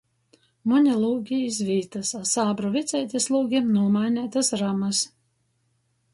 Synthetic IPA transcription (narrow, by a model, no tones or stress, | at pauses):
mɔnʲɛlˠuːɡʲiisʲvʲiːt̪ɐsasaːbɾɔvʲɪt̪sʲɛjt̪ʲislˠuːɡʲinuɔmaːnʲæːt̪ɐsɾamɐs